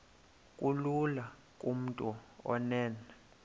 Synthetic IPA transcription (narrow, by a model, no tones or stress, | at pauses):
kʼulula | kʼum̩tʼuɔ̰nɛːnɛ